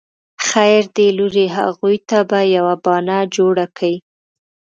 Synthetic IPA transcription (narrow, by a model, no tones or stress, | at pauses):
xajɾd̪eluɾeɦa̰ɣujt̪abajawabɑnad͡ʒoɽakawi